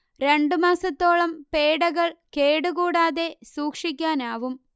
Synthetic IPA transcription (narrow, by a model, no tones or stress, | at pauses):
ɾe̞ɳɖɨmaːsɐt̪ːo̞ːɭɐmpeːɽɐɣɐɭke̞ːɽuɣuːɽaːðe̞suːkʂik̬ʲːaːnaːʋum